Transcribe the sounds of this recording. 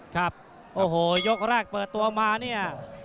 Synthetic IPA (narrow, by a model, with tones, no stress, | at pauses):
kʰɾa˦˥p̚ | ʔoː˧˩ɦoː˨˩jo˦˥k̚ɾɛː˥˩k̚pɤː˨˩t̪ːu˧ɐmaː˧ni˥˩ɐ